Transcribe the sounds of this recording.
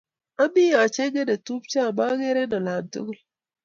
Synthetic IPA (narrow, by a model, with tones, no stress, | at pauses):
a˦bi˦ja˨t͡ʃe˦ɡe˦de˨tu˦p̚t͡ʃa˦˨ba˦ɡe˦ɾe˦nɔ˨la˨mtṵ˦ɡu˦